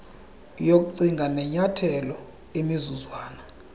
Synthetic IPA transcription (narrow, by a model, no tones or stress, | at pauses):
jok̬ʼuǀiŋɡʱanɛɲatʰɛlɔ | emizuzwaːna